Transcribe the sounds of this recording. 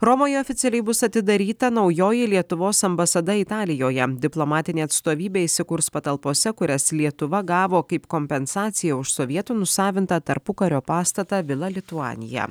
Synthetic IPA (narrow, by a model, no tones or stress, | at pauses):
ɾɔmoːjɛɔfʲɪt̪sʲɛlʲɛɪbʊsɐt̪ʲɪd̪ɐɾʲiːt̪ɐnɒʊjoːjɪlʲiɛt̪ʊʋoːsɐmbɐsɐd̪ɐɪt̪ɑːlʲɪjoːjɛd̪ʲɪplˠomɑːt̪ʲɪnʲeːɐt̪st̪oːʋʲiːbʲeːɪsʲɪkʊɾspɐt̪ɐlˠpoːsʲɛkʊɾʲɛslʲiɛt̪ʊʋɐɡɑːʋoːkɐɪpkoːmʲpʲɛnsɑːt̪sʲɪjɛʊʃsɔʋʲiɛt̪uːnʊsɑːʋʲɪnt̪ɐt̪ɐɾpʊkɐɾʲoːpɑːst̪ɐt̪ɑʋʲɪlˠɐlʲɪt̪uɑ̰ːnʲɪ̰jɛ̰